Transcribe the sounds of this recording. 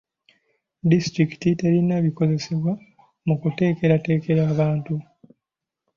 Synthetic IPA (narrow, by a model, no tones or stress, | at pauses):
distɾiki̥tite̞ɾineβiko̞ze̞se̞βwa | mukute̞ːke̞ɾate̞ːke̞ɾaːβaːntu